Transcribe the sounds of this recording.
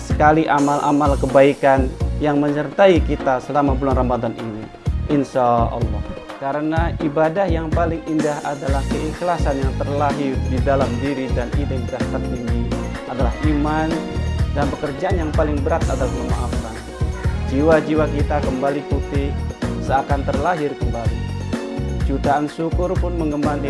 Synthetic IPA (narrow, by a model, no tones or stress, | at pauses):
sə̥kaliʔamalʔa̰malkəbaikanjaŋməɲərt̪aikit̪asəlamabulanramad̪anini | ʔɪnsaɑ̰lːɔ̰h | kaɾənaʔibadahjaŋpalɪŋindahadalahkəiklasanjaŋt̪ərlaɦididalamdiɾidaninidaht̪ərt̪iŋɡiadalahʔimandanpəkərd͡ʒaʔanjaŋpalɪŋbəɾat̪adalahkəma̰ʔafan | d͡ʒiwad͡ʒiwakit̪akəmbaliput̪ɪhsəakant̪ərlaɦɪrkəmbali | t͡ʃut̪aʔːnsukʊrpʊnməŋɡəmant̪i